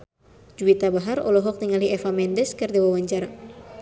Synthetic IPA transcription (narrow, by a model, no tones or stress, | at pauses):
d͡ʒuit̪abaɦarɔ̰lɔɦɔk̚t̪iŋaliɛfamɛndɛskərdiwawaɲt͡ʃaɾa